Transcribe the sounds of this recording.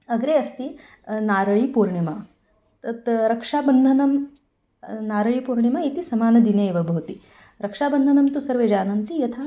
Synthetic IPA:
ɐɡɾeːɐst̪i | naːɾɐɭipuːɾɳimɐ | t̪ɐt̪ɾɐkʂaːbɐnd̪ʱɐnɐm | naːɾɐɭipuːɾɳjɐmɐit̪isɐmaːnɐd̪ineːʋɐbʱɐʋt̪i | ɾɐkʂaːbɐnd̪ʱɐnɐmt̪usɐɾʋeːd͡ʒaːnɐnt̪ijɐt̪ʰa

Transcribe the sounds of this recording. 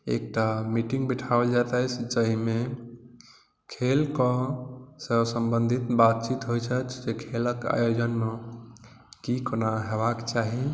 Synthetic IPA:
ḛk̚ʈamiʈiŋɡbiʈʰabəld͡ʒat̪əjt͡ʃʰd͡ʒəɦime | kʰelkɔsəbsəmbənd̪ʱit̪bat̪̚t͡ʃit̪ɦojt͡ʃʰət͡ʃʰd͡ʒekʰeləka̰jod͡ʒənme | kikənaɦebakt͡ʃaɦi

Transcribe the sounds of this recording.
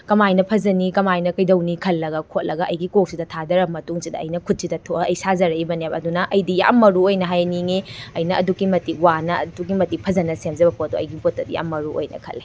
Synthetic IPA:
kɐmajnɐpʰɐzɐnikɐmajnɐkɐjdɐwnikʰɐlːɐɡɐkʰot̚lʔɐɡɐʔɐjɡikok̚sidɐtʰadɐɾɐmɐtuŋsidɐɐ̰jnɐkʰut̚sidɐtʰoɐjsazɐɾɐibɐnepɐdunɐʔɐjdija̰mːɐɾuojnɐɦajniŋeɐjnɐɐdukimɐtiwanɐɐdukimɐtipʰɐzɐnɐsemzɐbɐpodoɐ̰jɡipotːɐdija̰mːɐɾuo̰jnɐ̰kʰɐ̰lːe

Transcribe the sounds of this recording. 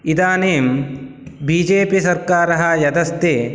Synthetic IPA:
id̪aːneːm | biːd͡ʒeːpisɐɾkaːɾɐɦɐjɐd̪ɐst̪eː

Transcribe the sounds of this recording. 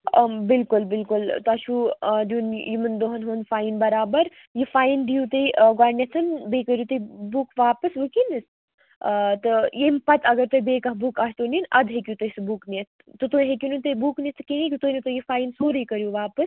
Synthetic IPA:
bɪlkulbɪlkult̪ɐʃʰuːɖjuːnjimɨnd̪oɦɐnɦoːnfaːinbɐɾaːbɐɾ | jifaːjinɖijut̪ɐjɡaːnʲesʰɨnbeːkɐɾjut̪ɐbukʋaːpɐsʋɨkinis | t̪ɨjempɐt̪ɐɡɐɾt̪ɐbeːkɐɦbuːkaːst̪uːninʔɐd̪ɦekʲjut̪ɐsɨbuːknʲet̪ | t̪ɨt̪oːɦekʲjunut̪ɐjbuknʲist̪ɨkʲẽẽkʲjut̪oːnit̪ojifaːinsoːɾɐikɐɾjuʋaːpɐs

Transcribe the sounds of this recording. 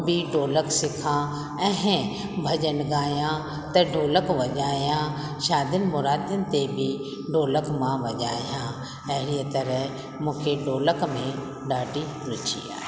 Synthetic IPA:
bʱiɖoːləksɪkʰãː | ɛ̃ɦɛ̃ | bʱɐd͡ʒənɡaːjã | t̪ɐɖʱoːləkʋɐd͡ʒaːjã | ʃaːd̪ʱənɪ̆mʊɾaːd̪jənɪ̆t̪ebʱi | ɖʱoːləkmãʋɐd͡ʒaːjãː | ɛɦɪɾiət̪ɐɾɛɦ | mũːkʰeɖoːləkmẽ | ɖaːɖiɾʊt͡ʃʰḭa̰ː

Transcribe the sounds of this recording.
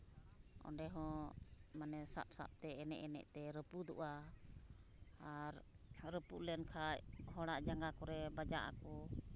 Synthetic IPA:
ʔɔ̰nɖɛɦɔ̃manɛsa̰p̚sa̰p̚t̪ɛɛnɛ̰ʔɛnɛ̰ʔt̪ɛɾəpud̪ṵʔa | aɾ | ɾəpuʔlɛnkʰachɔɽaʔd͡ʒaŋɡakɔɾɛbad͡ʒaʔa̰kɔ

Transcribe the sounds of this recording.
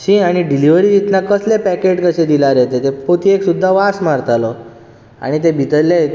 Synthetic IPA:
ɕĩaɽ̃iɖiliʋɾiːt̪it̪nakəslepɛkeʈkəɕed̪ilaɾet̪et̪epot̪ʰieksud̪ʱːaʋasmaɾt̪alɔ | a̰ɽ̃it̪̬ebʱit̪əle

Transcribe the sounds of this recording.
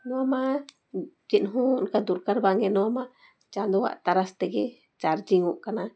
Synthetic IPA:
nɔama | d͡ʒinɦũnkad̪uɾkaɾbaŋɡɛnɔama | t͡ʃand̪ɔwa̰ʔt̪aɾast̪ɛɡɛ | t͡ʃaɾd͡ʒiŋuʔkana

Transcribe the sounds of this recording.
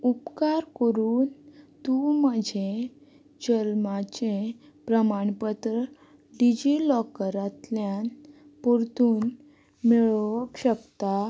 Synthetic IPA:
upkaɾkəɾuːnt̪uməd͡ʑʱe | d͡ʑəlmat͡ɕẽ | pɾəmaɳpət̪ɾə | ɖid͡ʑilɔkɾat̪ljan | puɾt̪uːn | meɭkɕəkt̪a

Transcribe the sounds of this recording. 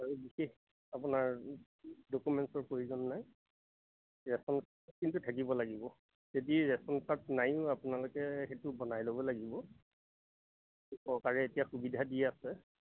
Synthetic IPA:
aɹubixex | apunaɹ | dokumɛntsɔɹpojuzɔnːaj | ɹɛsɔnk̚ | kintutʰakibɔlaɡibɔ | zediɹɛsɔntat̚najʊapʊnalʊkɛxetʊbɔnajlobɔlaɡibɔ | usɔkaɹɛetijaxubidʱadiɛasɛ

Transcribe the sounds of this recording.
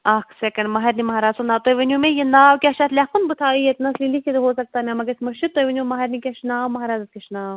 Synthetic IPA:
ɐkʰsekɐɳɖmɐɦɐɾnimɐɦaːɾaːzunaːt̪ojʋɐnumẽjenaːʋkʲɐʃaːt̪ʰlʲekunbʊt̪ʰaːiet̪nɐslilikʰet̪ɦoːsɐk̚t̪anɐmɐɡɐɾt̪ʰmɐʃit̪ojʋɐnjumɐɦɐɾnikʲɐʃnaːʋmɐɦaːɾaːzɐt̪̚kʲɐʃnaːʋ

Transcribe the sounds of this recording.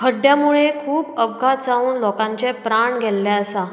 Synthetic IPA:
kʰəɖjamuɭekʰuːpəʋɡʱat͡sauːnlɔkãɲt͡ɕepɾaɳɡʱɛlːɛəsa

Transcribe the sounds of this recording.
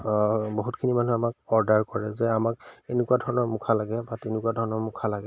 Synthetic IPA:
boɦutkʰinimanuamak̚ɔɹdaɹkɔɹɛzɛamakenekuwadʱɔɹɔnɔɹmukʰalaɡɛbatenɪkuadʱɔɹɔnɔɹmʊkʰalaɡɛ

